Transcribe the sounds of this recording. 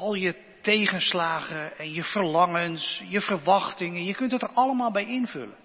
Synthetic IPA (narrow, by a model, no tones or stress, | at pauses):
ɑlˠjə | tejχənslaːχəɛnjəv̥əɹlɑŋənsjəv̥əɹʋɑχtɪŋənjəkɵntətəɹɑləmaːlˠbɛjɪnvɵ̰lən